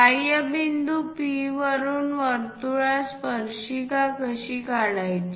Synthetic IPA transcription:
ajəbind̪upiʋəɾuːnʋəɾt̪uɭaspəɾɕikakəɕikaɭajt͡ɕ

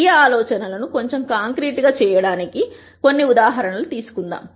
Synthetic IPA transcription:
iaːlɔːt͡ʃɐnɐlɐnuko̞ɲt͡ʃe̞mkaːŋkɾiːʈɡaːt͡ʃɛːjɐɽaːniki | ko̞nːiud̪aːɦɐɾɐɳɐlut̪iːsu̥kund̪a̰ːm

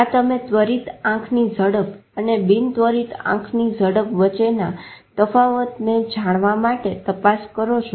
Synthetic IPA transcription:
ɦat̪əmẽt̪ʋəɾit̪ãkʰnid͡ʒəɽəpənebint̪ʋəɾit̪ã̰kʰnid͡ʒəɽəpʋət͡ʃenat̪əfaʋət̪ned͡ʒaɽ̃ʋamaʈet̪əpaskəɾot͡ʃʰo

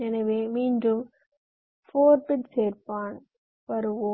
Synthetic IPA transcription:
ɛnɐʋeːmiːnɖɯm | foːɾpɪʈseːɾpaːn | pɐɾɯʋo

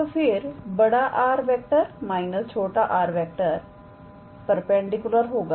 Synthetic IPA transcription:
t̪opʰɪɾbəɽaːʔaːɾʋɛːk̚ʈəɾmaːinəst͡ʃʰoːʈaːʔaːɾʋɛːk̚ʈəɾ | pəɾpɛ̃ːɳɖikjʊləɾɦoːɡa

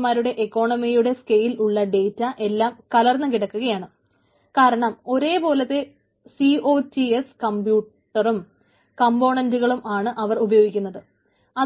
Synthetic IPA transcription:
maːɾuɽe̞ʔekːo̞ːɳɐmijuɽe̞skejiluɭːɐɖe̞ːtːɐʔe̞lːaːmkɐlɐrnɨkiɽɐkːuɣɐjaːɳɨ | kaːɾɐɳɐmo̞ɾe̞ːbo̞ːlɐt̪ːe̞ | sio̞ːtːieskɐmbjuːʈʈːɐrum | kɐmbo̞ːɳɐnduɣɐɭumaːɳɨʔɐʋɐrubɐjo̞ːɡikʲːunːɐðɨ | ɐ

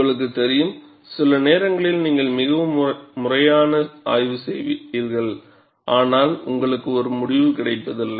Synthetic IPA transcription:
ŋɡɐɭɯk̬ːɯt̪ːɛɾɪjɯm | sɪlɐneːɾɐŋɡɐɭɪlniːŋɡɐɭmɪɣɐʋɯmmʊrɐjaːnɐa̰ːjʋɯsɛjʋiːɾɣɐɭ | ʔaːnaːlʊ̰ŋɡɐɭɯkːɯɔɾɯmʊɽɪʋɯkɪɽɐɪpːɐðɪlːɐ

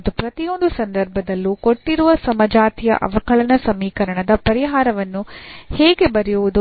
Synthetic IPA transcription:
d̪upɾɐt̪ijo̞nd̪usɐnd̪ɐɾbʱɐd̪ɐlːuko̞ʈːiɾuʋɐsɐmɐd͡ʒaːt̪ijɐ̰ʔɐ̰ʋɐkɐɭɐnɐsɐmiːkɐɾɐɳɐd̪ɐpɐɾiɦaːɾɐʋɐnːuheːɡe̞bɐɾɛjuʋud̪u

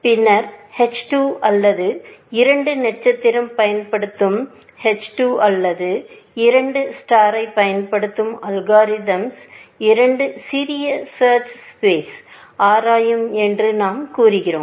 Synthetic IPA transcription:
pɪnːɐɾhɛt͡ʃʈuːʔɐlːɐðɯɪɾɐɳɖɯnɛʈ̚t͡ʃɐt̪ːɪɾɐmpɐjɐnpɐɽɯt̪ːɯm | hɛt͡ʃʈuːʔɐlːɐðɯ | ɪɾɐɳɖɯsʈaːɾɐɪpːɐjɐnpɐɽɯt̪ːɯmɐlɡaːɾɪðɐmsɪɾɐɳɖɯsɪɾɪjɐsɐːɾt͡ʃspeːs | ʔaːɾaːjɐmɛndrɯnaːmkuːrɪɣɪro̰ː

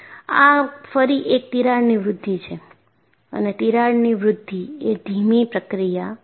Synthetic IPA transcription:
a̰fəɾiʔek̚t̪iɾaɽniʋɾʊd̪ʱːit͡ʃʰe | ə̰net̪iɾaɽniʋɾʊd̪ʱːied̪ʱimipɾəkɾija

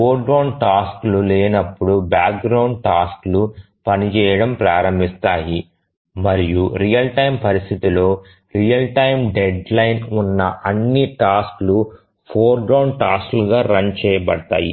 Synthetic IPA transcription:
poːɾɡɾɐwɳʈaːskluleːnɐpːuɽubaːk̚ɡɾɐwɳɖ̚ʈaːsklu | pɐnit͡ʃɛːjɐɽɐmpɾaːɾɐmbʱist̪aːji | mɐɾijuɾijɐlʈɐjmpɐɾist̪ʰit̪ilo̞ː | ɾijɐlʈɐjmɖeɖlɐjnunːɐʔɐnːiʈaːsklu | pʰoːɾɡɾɐwɳɖʈaːskluɡaːɾɐnt͡ʃɛːjɐbɐ̰ɽɐt̪a̰ːjḭ

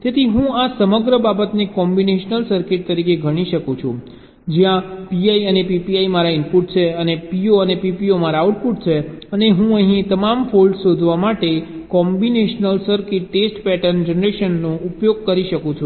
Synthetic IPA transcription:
t̪et̪ʰiɦũasəməɡɾəbabət̪nekɔmbineʃnəlsəɾkɪʈ̚t̪əɾikeɡʱəɽ̃iʃəkũt͡ʃʰṵ̃ | d͡ʒjãpiaiənepipiaimaɾaɪnpuʈ̚t͡ʃʰeənepioənepipiomaɾauʈpuʈ̚t͡ʃʰeəneɦũəɦĩt̪əmamfʰolɖʃod̪ʱʋamaʈe | kɔmbineʃnəlsəɾkɪʈːesʈpɛʈənd͡ʒənəɾeʃənːoupjoɡ̚kəɾiʃəkũt͡ʃʰũ

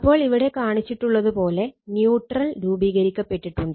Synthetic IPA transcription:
ɐpːo̞ːɭiʋiɽe̞kaːɳit͡ɕːiʈːuɭːɐðupo̞ːle̞njuːʈrɐlɾuːbiːɣɐɾikʲːɐpːeʈːiʈːuɳɖɨ

